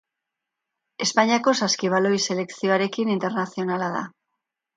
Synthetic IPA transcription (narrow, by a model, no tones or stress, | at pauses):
e̞spaɲiako̞saskiβ̞alo̞jse̞le̞ksio̞aɾe̞kinint̪e̞ɾnasio̞nalaða̰